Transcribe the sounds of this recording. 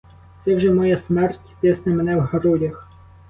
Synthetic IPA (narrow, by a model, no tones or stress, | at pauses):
t̪sɛwʒɛmɔjasmɛrtʲt̪ɪsnɐmenɛwhɐɾɔdʲɐx